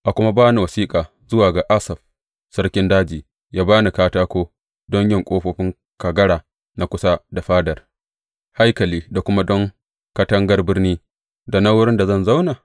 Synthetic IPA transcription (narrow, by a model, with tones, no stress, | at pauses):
ʔa˨kʷʊ˦ma˦baː˦ni˨wɐ˨siː˦kʼaː˨ | zʊ˦waː˨ɡa˨ʔa˦sɐ˨ɸ | sɐ˦rkʲɪ˦ndaː˦d͡ʒiː˨ | jaː˦baː˦ni˨kaː˦taː˦kʷoː˦ | dɔ˦ɲjɪ˦˨ŋkʷʼoː˦ɸoː˦ɸɪ˦ŋ | ka˨ɡɐ˦ɽaː˨ | na˨˦kʷʊ˦sa˦da˨ɸaː˦dɐ˨r | ha˦jkɐ˨liː˦da˨kʷʊ˦ma˦dɔ˦ŋ | kɐ˦tɐ˦ŋɡɐ˦rbɪ˦rniː˦ | da˨na˦wʊ˦ɽɪ˦nda˨zɐ˦˨nza˦wnaː˨